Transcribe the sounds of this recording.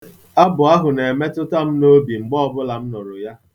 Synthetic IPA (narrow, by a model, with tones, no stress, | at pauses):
a˦bʊ˨a˦ɦʊ˨ne˨me˦tʊ˦ta˦m̩˦no˦bi˨ŋ͡m̩˨ɡ͡bɔ˦ɔ˦bʊ˦la˨m̩˦nʊ˨ɾʊ˨ja˦